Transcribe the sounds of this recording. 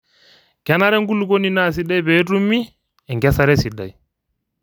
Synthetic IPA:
kɛna˦ɾɛ˦ŋɡu˦lko˦ni˦na˦s̬i˦ɗa˦jbɛ˦tu˦mːi˦ | ɛŋɡɛsa˦ɾɛ˦si˨ɗːa̰˨j

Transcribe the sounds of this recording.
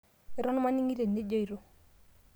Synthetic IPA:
ɪ˦ɾɔ˦n˦ma˦ni˦ŋi˦ɾe˨ne˦d͡ʒo˦i˨ɾo˦

